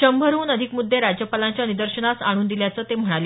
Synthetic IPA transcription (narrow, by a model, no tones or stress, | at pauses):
ɕəmbʱəɾuːnəd̪ʱikmud̪ʱːeɾad͡ʑjəpalaɲt͡ɕjanid̪əɾɕəɳasaɽ̃uːnd̪iljat͡səːt̪em̤əɽ̃ale